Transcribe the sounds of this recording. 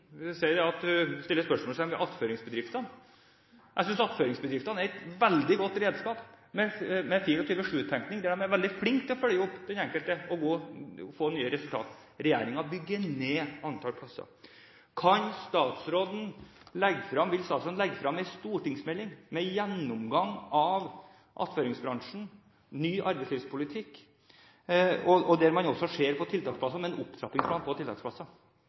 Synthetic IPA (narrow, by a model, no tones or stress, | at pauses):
sɛɪd̪ɛɑt̪st̪ɪlːəspœʂmɔːlsæɪmɛʔɑt̪føːɾɪŋsbəd̪ɾɪft̪ɑn | jʔæɪsʏnsɑt̪føːɾɪŋsbəd̪ɾɪft̪ɑnæɾɛt̪ʋɛld̪ɪɡɔt̪ːɾeːd̪skɑːp | mɛmɛfiːɾɔt̪ʰiːʋəʂʉːt̪ʰɛŋknɪŋd̪ɛæɖ̪ɛmæɾʋɛld̪ɪflɪŋkt̪ʰːɪlɔfœljəɔpːd̪ɛnɛŋkəlt̪əɔɡoːfoːnyːəɾɛsʉlt̪ɑ̰ːt̪ | ɾɛjeːɾɪŋɑbʏɡːəneːɑnt̪ʰɑːlpʰlɑsɑ̰ɾ | kʰɑnst̪ɑːt̪sɾoːd̪n̩ | lɛɡːfɾɑmʋɪlst̪ɑːt̪soːd̪nlɛɡːəfɾɑmɛɪst̪uːʈɪŋsmɛlːɪŋmɛjɛnːʊmɡɑŋːɑʋ | ʔɑ̰t̪føːɾɪŋsbɾɑŋʂɳ̩ | nyːʔɑɾbɛɪsliːʋspʰʊlɪt̪ʰɪkː | ɔɔd̪ɛɾmɑnɔsːɔʂeːɾpʰɔt̪ʰɪlt̪ʰɑːkspʰlɑsɑmɛnʊpt̪ʰɾɑpːɪŋspʰlɑːnpʰɔt̪ʰɪlt̪ʰɑːksplɑsːɑ